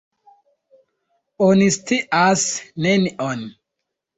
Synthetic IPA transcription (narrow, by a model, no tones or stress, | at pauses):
onist̪iʔasnɛniʔɔn